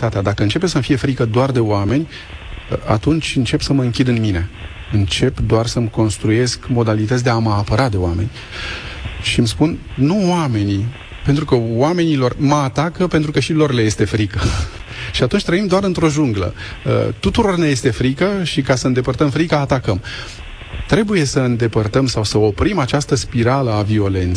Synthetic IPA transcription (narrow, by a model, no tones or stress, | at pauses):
t̪at̪ead̪akəɨnt͡ʃe̞pesəmfije̞fɾikəd̪oard̪e̞oame̞nʲ | əa̰t̪unt͡ʃʲɨnt͡ʃe̞psəməɨŋkʲid̪ɨnmine̞ | ɨnt͡ʃe̞pd̪oarsəmko̞nst̪ɾuje̞skmo̞d̪alit̪ət̪sʲd̪e̞aməapəɾad̪e̞oame̞̰nʲ | ʃimspunnuwame̞ni | pent̪ɾukəwame̞nilo̞rməat̪akəpe̞nt̪ɾukəʃilo̞rle̞je̞st̪e̞fɾikə | ʃiat̪unt͡ʃʲt̪ɾəimd̪oaɾɨnt̪ɾo̞ʒuŋɡlə̰ə̰t̪ut̪uɾo̞rneje̞st̪e̞fɾikəʃikasəɨnd̪e̞pərt̪əmfɾikaːt̪akəm | t̪ɾe̞buje̞səɨnd̪e̞pərt̪əmsawsəo̞pɾimat͡ʃast̪əspiɾaləavio̞le̞nt̪se